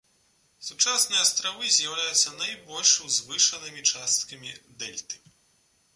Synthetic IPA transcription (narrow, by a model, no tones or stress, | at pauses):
sut͡ʂasnɨjɐst̪ɾavɨzʲjɐwlʲajut̪sːɐnajbɔlʲʂwzvɨʂɐnɨmʲit͡ʂast̪̚kɐmʲid̪ɛlʲt̪ɨ̥